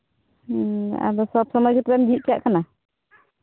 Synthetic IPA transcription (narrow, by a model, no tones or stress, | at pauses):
a̰bɔsɔb̚sɔmɔjkʰet̪ɾamɡʱiʔ̚kaʔkana